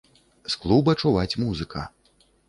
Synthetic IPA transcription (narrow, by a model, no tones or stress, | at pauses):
sklˠubɐt͡ʂuvat͡sʲmuzɨkɐ̰